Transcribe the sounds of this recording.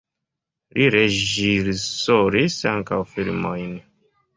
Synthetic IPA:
liɾeʒiɾsoɾisaŋkawfilmojn

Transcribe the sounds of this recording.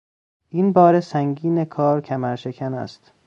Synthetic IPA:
ʔiːnbɒːɾesæŋɟiːnekʰɒːɾcʰæmæɾʃekʰænæ̰st̪

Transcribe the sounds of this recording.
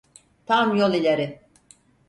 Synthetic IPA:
t̪ʰamjolˠilʲeɾɪ

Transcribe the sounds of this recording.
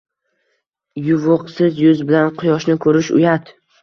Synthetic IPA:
jʊvʊqsɪzjʊzbɪlanqʰʊjɒʃnɪkʰɵɾɪʃʊ̰jat̪

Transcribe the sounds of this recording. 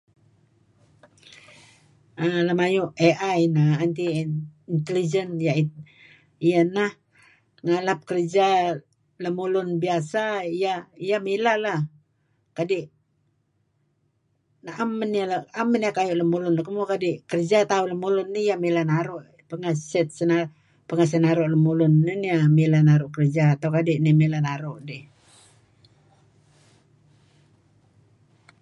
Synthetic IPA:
ələmajuʔeʔajinaant̪iint̪əlid͡ʒənjai | ijanah | ŋalap̚kərd͡ʒa | ləmulʊnbiasaijaijamilalah | kadiʔ | naʔamːənialaamːəniakajʊʔləmulʊnakəmukadiʔkərd͡ʒat̪auləmulʊnːijamilanaɾoʔ | pəŋasɛt̪̚səna | pəŋas̬ənaɾʊʔləmulʊnːiniamilanaɾʊʔkərd͡ʒat̪aukadiʔnimilanaɾoʔdi

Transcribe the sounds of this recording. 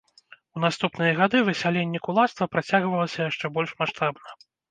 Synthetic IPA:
unast̪upnɨjɐɣad̪ɨvɨsʲalʲenʲːɛkulˠat̪st̪vɐpɾat͡sʲaɣvɐlˠɐsʲɐjaʂt͡ʂɛbɔlʲʂmaʂt̪abnɐ

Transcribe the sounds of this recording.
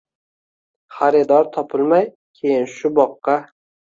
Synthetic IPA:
χaɾɪd̪ɒɾt̪ʰɒpʰɪlˠmaj | kʲʰe̞jɪnʃʊbɒqːɑ

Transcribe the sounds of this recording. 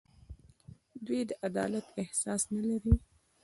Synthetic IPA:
d̪wid̪əʔad̪ɑ̰lat̪ɪhsɑsnalaɾi

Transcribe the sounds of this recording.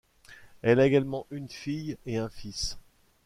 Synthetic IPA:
ɛlaeɡalmɑ̃ʔynfijeɛ̃fis

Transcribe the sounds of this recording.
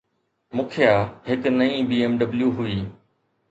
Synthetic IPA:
mʊ̃kʰijaːɦɪknɐĩbiːemɖɐbljuɦʊiː

